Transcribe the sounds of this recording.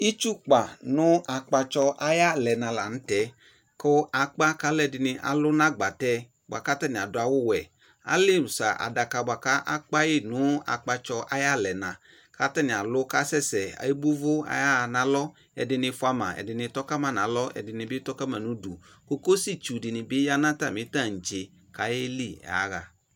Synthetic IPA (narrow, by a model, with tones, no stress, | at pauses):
i˦t͡ʃu˦k͡pa˨nʊ˦a˨k͡pa˧t͡ʃɔ˧ʔa˦ja˦lɛ˨nã˨la˨n̩˦tɛ˨ | kʊ˦a˨k͡pa˦ka˨˦lɛ˨dɪ˨nɪ˧ʔa̰˨lʊ˦nã˦ɡ͡ba˨tɛ˦ | ba̰˨ka˦tɛ˦nɪ̃˨a˨dʊ˨˦a˨wʊ˦wɛ˨ | a̰˦lɪ˦˨sa̰˨ʔa̰˨da˨ka˨ba˨ka˦ʔa˦k͡pa˦jɪ˦nʊ˨˦a̰˨k͡pa˧t͡ʃɔ˧ʔa˦ja˦lɛ˨nã˨ | kʰa˦tɛ˦nɪ˨a˨lʊ˦ka˦sɛ˦sɛ˨a̰˨ji˦bu˦vʊ˦a̰˨˦ja˦˨nã˨˦lɔ˦ | ɛ̰˨dɪ˧nɪ˧fʊ˦a˧mã̰˨ɛ̰˨dɪ˨nɪ˧tɔ˦ka˦ma˨nã˨˦lɔ˦ɛ̰˨dɪ˨nɪ˧bɪ˦tɔ˦ka˦ma˨nu˨˦du˨ | ko˦ko˦si˦t͡ʃu˨dɪ˨nɪ˨bɪ˦ja˦nã˦ta˦˨mɪ˨˦ta˦˨n̩˨d͡ʒɪ˨ | ka˨˦jɪ˦li˦˨a̰˨˦ɣa˨